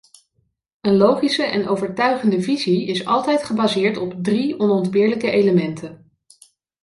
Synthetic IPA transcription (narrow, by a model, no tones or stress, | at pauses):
ənlowχisəʔɛ̰nowvəɹtœɥχəndəviziɪsɑ̰lˠtɛjtχəbazɪːɹtɔbdriɔnɔndbɪːɹləkəejləmɛntʰən